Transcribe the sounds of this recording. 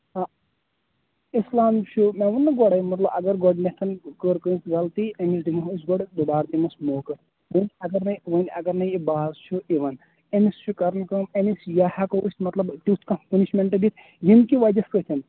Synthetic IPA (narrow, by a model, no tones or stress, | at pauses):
a | islaːmt͡ʃʰumẽʋunːɐɡɔɽɐjmɐt̪lɐbɐɡɐɾɡɔɖnet̪ʰɐnkəːɾkənsɡɐlt̪ienis̬dimɐɦisɡɔɽd̪ubaːɾt̪imɐsmoːkɐ | ʋənʲɐɡɐɾnɐʋənʲɐɡɐɾnɐjibaːzt͡ʃʰuiʋɐn | enist͡ʃʰukɐɾnkɐmenisjahɐkoust̪mɐt̪lɐbt̪it̪ʰkɐpɐniʃmeɳʈɨd̪it̪ʰ | jinkiʋad͡ʒɐskət̪ʰin